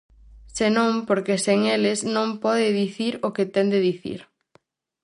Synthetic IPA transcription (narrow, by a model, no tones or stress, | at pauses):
senõmpoɾkeseŋelɪznõmpɔðɪðiθiɾoket̪ɛnd̪eðiθḭɾ